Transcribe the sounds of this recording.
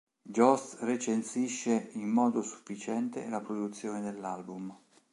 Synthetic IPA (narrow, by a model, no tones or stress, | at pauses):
d͡ʒɔst̪ret͡ʃensiʃːeimːɔːd̪osu̥fːit͡ʃɛnt̪ḛlapɾod̪ut̪sːjoːned̪elːalbum